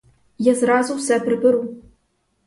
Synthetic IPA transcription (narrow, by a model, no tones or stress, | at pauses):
jɛzraːzuwsɛpʰrɨbɨɾu